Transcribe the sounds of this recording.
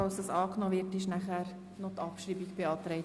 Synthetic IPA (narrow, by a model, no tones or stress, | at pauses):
ɑlsəsɑːknoːʋɪɾtɪʃnæχæɾ | nɔtɑpʃɾiːbikb̥eɑːt̪ɾɛɪt